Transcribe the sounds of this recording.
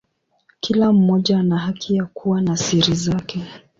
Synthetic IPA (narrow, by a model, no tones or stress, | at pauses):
kʰilam̩mɔʄanahakʰijakʰuwanasiɾizakɛ